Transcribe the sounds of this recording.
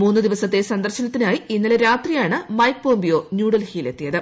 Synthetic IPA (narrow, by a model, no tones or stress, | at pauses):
muːnːɨd̪iʋɐsɐt̪ːe̞sɐnd̪ɐrɕɐnɐt̪ːinaːjiinːɐleɾaːt̪rijaːɳɨmɐjk̚bo̞ːmbijo̞ːnjuːɽɐlhiːle̞t̪ːijɐðɨ